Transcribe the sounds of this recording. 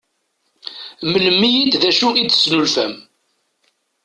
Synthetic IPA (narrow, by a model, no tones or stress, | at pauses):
məlmːijid̪ðæʃuiə̥snulfæm